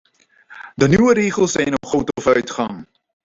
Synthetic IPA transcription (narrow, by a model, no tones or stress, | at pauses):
dənywəɾiːχəlˠsɛjnɔχowtɔfœɥtχɐŋ